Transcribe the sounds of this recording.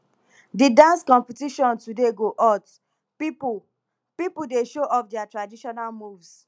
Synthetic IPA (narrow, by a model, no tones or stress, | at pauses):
didãnskɔ̃mpitiʃɔ̃ntudeɡoʔɔt | pip | pipudeʃoʔɔpdɛatɹadiʃɔnalmuvs